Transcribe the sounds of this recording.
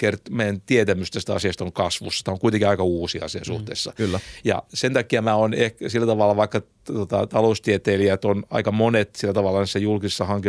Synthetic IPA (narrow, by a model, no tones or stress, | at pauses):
kert̪meijænt̪iet̪æmyst̪æsi̥t̪æɑsiɑst̪oŋkɑsʋṵsːst̪æoŋkuit̪eŋkiɑikɑuːsiɑ̰sisuht̪ḛːsːɑ̰jɑ̰sent̪ɑkːiɑmæːonehksilːæt̪ɑʋɑlːɑʋɑikːɑ | t̪ot̪ɑ̰t̪ɑloust̪iet̪eːliæt̪onɑ̰ikɑmonet̪silːæt̪ɑʋɑlːˑɑnisæjulkisesːɑhɑŋki